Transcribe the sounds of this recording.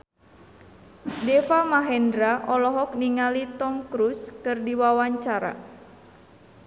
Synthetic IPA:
dɛfamaɦɛndɾaʔɔlɔɦɔk̚niŋalit̪ɔmkɾuskɨrdiwawaɲt͡ʃaɾa̰

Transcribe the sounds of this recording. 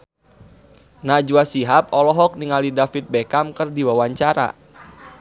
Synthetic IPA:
nad͡ʒuasiɦap̚ɔlɔɦɔk̚niŋalidafit̪̚bɛkamkərdiwawaɲt͡ʃaɾa̰

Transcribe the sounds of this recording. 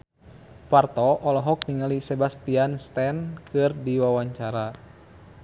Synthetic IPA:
part̪ɔɔlɔɦɔk̚niŋalisɛbast̪ianst̪ɛnkɨrdiwawaɲt͡ʃaɾa

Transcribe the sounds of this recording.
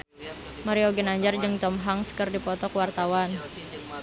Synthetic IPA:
maɾiɔɡɛnaɲd͡ʒard͡ʒɨŋt̪ɔmɦaŋskərdipɔt̪ɔkəwart̪awan

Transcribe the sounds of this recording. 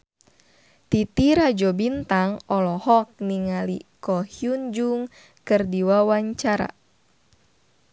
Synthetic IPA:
t̪it̪iɾad͡ʒɔbint̪aŋɔlɔhɔk̚niŋalikɔhjund͡ʒuŋ | kɨrdiwawaɲt͡ʃaɾa̰

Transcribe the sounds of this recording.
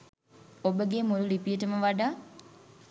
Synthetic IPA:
obəɡeːmuɾulipijəʈəməʋaɖaː

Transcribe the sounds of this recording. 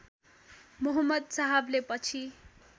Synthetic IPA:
mʌɦʌmːʌd̪̚saɦʌblepʌt͡sʰi

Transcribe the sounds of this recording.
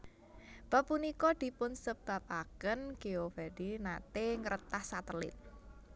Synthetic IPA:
pəpunikɔd̪̥i̤pʊnsəb̥ä̤p̚akənɡ̥eob̥aɖ̥inat̪eŋəɾʔət̪ahsat̪əlɪ̰t̪̚

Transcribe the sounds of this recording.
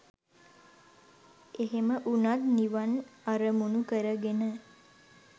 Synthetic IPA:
eɦeməʔunat̪niʋanaɾəmunukəɾəɡenə

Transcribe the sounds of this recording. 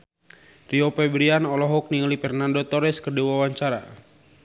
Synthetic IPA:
riɔpɛbɾianɔlɔɦɔk̚niŋlipɛrnandot̪ɔɾɛskərdiwawaɲt͡ʃaɾa

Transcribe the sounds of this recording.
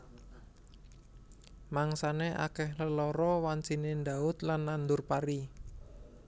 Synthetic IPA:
maŋsaneʔa̰kɛhləlɔɾɔwant͡ʃinend̪aʊt̪̚lanːand̪ʊrpaɾi

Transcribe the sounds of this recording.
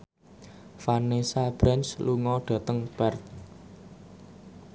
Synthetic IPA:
fanesab̥ɾɛnsluŋɔɖ̥ä̤t̪əŋb̥art̪̚

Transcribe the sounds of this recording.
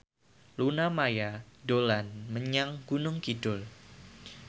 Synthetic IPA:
lunamajadolanməɲaŋɡ̥unʊŋkidʊl

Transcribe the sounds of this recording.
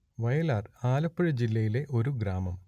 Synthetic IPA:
ʋɐjɐlaːraːlɐpːɐɻɐd͡ʑilːɐjile̞ʔo̞ɾuɡɾaːmɐm

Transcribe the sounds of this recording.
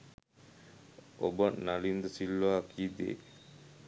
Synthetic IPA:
ʔo̰baʔnalind̪əsilːaːkʰiːd̪ḛː

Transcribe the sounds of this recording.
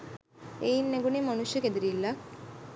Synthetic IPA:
einːeɡunimanuʃjəked̪iɾilːa

